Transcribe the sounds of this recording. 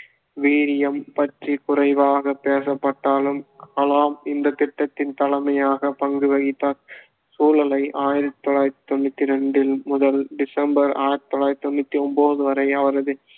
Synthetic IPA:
ʋiːɾɪjɐmpɐʈrikʊrɐɪʋaːɣɐpeːsɐpːɐʈːaːlɯmkɐlaːmɪnd̪ɐt̪ɪʈːɐt̪ːɪnt̪ɐlɐmɐjaːɣɐpɐŋɡɯʋɐɣɪt̪ːaːɾ | suːlɐlɐɪʔaːjɪɾɐt̪ːt̪ːɔɭaːjt̪t̪ɔnːɪt̪ːɪɾɛɳɖɪlmʊðɐlɖɪsɐmbɐɾa̰ːjɪɾɐt̪t̪ːɔɭaːj̪t̪ːɔɳːɪt̪ːiɔmboːðɯʋɐɾɐɪɐʋɐɾɐðɯ

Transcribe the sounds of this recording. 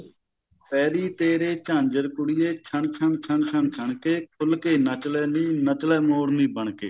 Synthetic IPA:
pɛːɾiːt̪eːɾeːt͡ʃãːɲd͡ʒəɾkʊɽiːeːt͡ʃʰəɳt͡ʃʰəɳt͡ʃʰəɳt͡ʃʰəɳt͡ʃʰəɳkeːkʰʊlkeːnət͡ʃlɛːnĩːnət͡ʃlɛːmoːɽnĩːbəɳkḛː

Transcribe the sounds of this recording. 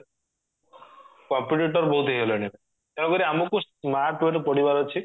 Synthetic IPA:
kɔmpiʈiʈɔɾbowt̪eɦiɦeloeɽi | kɛɽ̃ɔ̃kɔɾiamɔkusmaɾʈweʈpɔɽibaɾot͡ʃʰi

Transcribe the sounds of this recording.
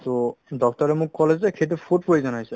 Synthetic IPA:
t̪odɔktɔɾemukːɔled͡ʑekʰetefʰoʈ̚pojzɔnajsʰe

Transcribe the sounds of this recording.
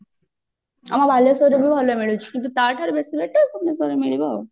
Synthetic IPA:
a̰maɾbʱalesoɾebibʱaloemeɭut͡ɕʰi̥kint̪ut̪aɾʈʰaɾbesibeʈːekumnesoɾemeɭiba

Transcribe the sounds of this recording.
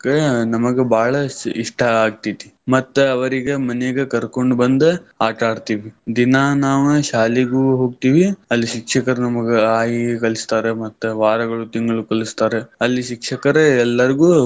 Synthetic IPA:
kenɐmɐɡebʱaːɭɐiʂʈɐaːɡ̚t̪it̪i̥mɐt̪ːuɐʋɐɾiɡemɐneɡekɐɾkoɳɖbɐnd̪eaːʈaːɽt̪iːʋid̪inaːnaːʋɐʃaːliɡuːɦo̞ːɡt̪iːʋiɐlːiʃikʂɐkɐɾenɐmɐɡeaːjiekɐlist̪aːɾemɐt̪ːuʋaːɾɐɡɐɭut̪iŋɡɐɭukɐlist̪aːɾeɐlːiʃikʂɐkɐɾeɛlːɐɾiɡuː

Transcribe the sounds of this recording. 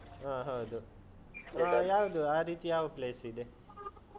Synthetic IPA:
aːɦawd̪u | ajaːʋud̪uaːɾiːt̪ijaːʋupleːsid̪e

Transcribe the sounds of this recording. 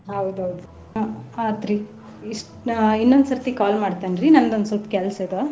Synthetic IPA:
ɦɐwd̪uɦɐwd̪u | aːt̪ɾi | iʂʈinːond̪sɐɾt̪ikaːlmaːɖt̪anɾinɐnd̪ond̪sɐlt̪kʲɛlsed̪o

